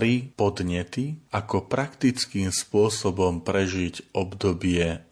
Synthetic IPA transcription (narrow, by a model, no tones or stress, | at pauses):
ɾipɔd̪ɲɛt̪iakɔpɾakt̪it͡skiːmspʊɔsɔbɔmpɾɛʒiɟɔbd̪ɔbɪɛ